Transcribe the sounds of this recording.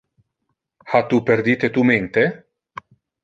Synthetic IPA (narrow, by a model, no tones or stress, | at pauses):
hat̪upeɾd̪iːt̪et̪ument̪e